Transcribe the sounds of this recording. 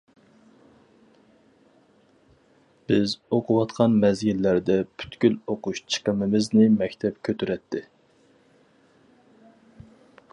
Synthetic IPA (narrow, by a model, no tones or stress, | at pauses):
b̥ɪzoqʰʊwɑt̪qʰɑnmɛzɡʲilːæɾd̪ɛpʰy̥t̪ɡʲyloquʃt͡ʃʰə̥qəmɪmɪznɪmɛkʲt̪ʰɛpkʲʰøt̪yɾɛt̪ʰːɪ